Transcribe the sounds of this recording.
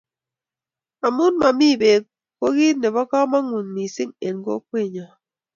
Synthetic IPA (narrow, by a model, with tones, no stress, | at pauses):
a˨mu˦nma˨mi˦˨be˨k̚ | ko˦ɣi˦ne˨bɔ˦kɔ˦ma˦ŋu˨nmi˨si˦ŋe˨nɡo̰˦kwe˦˨ɲɔ˨